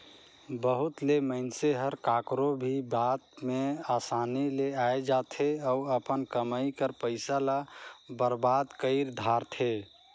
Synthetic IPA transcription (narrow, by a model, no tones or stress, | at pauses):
bəɦut̪leməɪnseɦəɾkakɾobʱibat̪̚measanileaed͡ʒat̪ʰeəuəpənkəmaikəɾpəɪsalabəɾbad̪kəɪɾd̪ʱaɾt̪ʰe